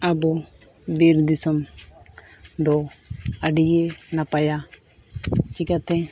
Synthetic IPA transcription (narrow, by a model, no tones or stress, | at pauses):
abɔ | biɾd̪isɔm | d̪ɔaɖijɛnapaja | t͡ʃikat̪ɛ̃